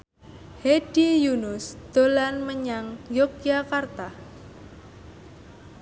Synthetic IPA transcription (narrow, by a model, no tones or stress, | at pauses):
hed̥ijunʊsd̪̥o̤lanməɲaŋjokiakart̪ah